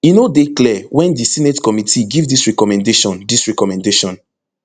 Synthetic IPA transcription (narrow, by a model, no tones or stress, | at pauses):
inodeklɛwɛ̃ndisinetkɔmitʰiɡivdisɹɛkɔmɛ̃ndeʃɔ̃ndisɹɛkɔmɛ̃ndeʃɔ̃n